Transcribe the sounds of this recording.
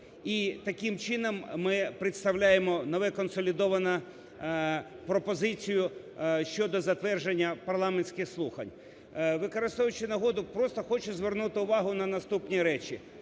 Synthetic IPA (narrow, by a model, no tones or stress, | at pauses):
it̪ɐkɪmt͡ʃɪnɔmːɪpɾɪt̪st̪ɐwlʲajemɔnɔʋɛkɔnsɔlʲɪd̪ɔʋɐnɐ | pɾɔpɔzɪt͡sʲijʊ | ʃt͡ʃɔd̪ɔzɐt̪ʋɛrʒenʲːɐpɐrlˠɑmenʲsʲkɪxslˠuxɐ̰nʲ | ʋɪkɔɾɪst̪ɔʋʊt͡ʃɪnɐɦɔd̪ʊpɾɔst̪ɔxɔt͡ʃʊzʋernut̪ɪʊʋɑɦʊnɐnɐst̪upnʲiɾɛt͡ʃʲi